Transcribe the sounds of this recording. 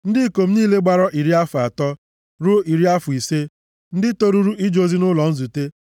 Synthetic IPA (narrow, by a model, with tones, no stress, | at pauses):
n̩˦dɪ˦ko˨m̩˦niː˦le˦ɡ͡ba˨ɾɔ˦ʔi˨ɾi˦a˦fʊ˨a˨tɔ˦ | ɾʊ˦i˨ɾi˦a˦fʊ˨i˨se˦ | n̩˦dɪ˦to˦ɾu˦ɾu˦i˦d͡ʒo˦zi˦nʊ˦lɔ˨n̩˦zu˨te˦